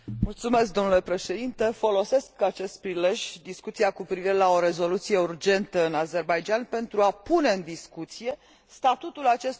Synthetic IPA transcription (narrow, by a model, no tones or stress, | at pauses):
mult̪sume̞sk̚d̪o̞mnule̞pɾe̞ʃe̞d̪int̪e̞fo̞lo̞se̞skat͡ʃe̞st̪̚pɾile̞ʒʲd̪iskut̪siakupɾiviɾe̞lao̞ɾe̞zo̞lut̪sije̞urd͡ʒe̞nt̪əɨnaze̞rbajd͡ʒanpe̞nt̪ɾuapune̞ɨnd̪iskut̪sije̞ | st̪at̪ut̪ulat͡ʃe̞st̪